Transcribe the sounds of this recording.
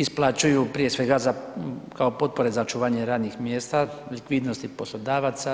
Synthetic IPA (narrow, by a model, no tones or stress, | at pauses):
isplˠat͡ʃujupɾije̞sʋe̞ɡazakaopo̞t̪̚po̞ɾezaot͡ʃuʋaːɲeɾaːd̪nixmjeːst̪alikʋiːd̪nost̪ipo̞slˠo̞d̪aːʋat̪sa